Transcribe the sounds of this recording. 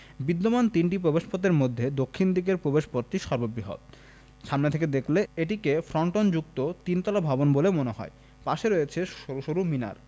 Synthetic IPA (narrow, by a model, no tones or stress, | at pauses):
bid̪ːomant̪inʈipɾobeʃpot̪̬eɾmod̪ʱːed̪okʰːind̪ikeɾpɾobeʃpoɾt̪iʃɔɾbobiɦo̰t̪̚ | ʃamnet̪ʰeked̪ekʰleeʈ̬ikefɾɔɳʈond͡ʑuk̚t̪ot̪int̪ɔlabʱabonbolemoneɦɔ̰e | paʃeɾojet͡ɕʰeoɾuʃoɾumina̰ɾ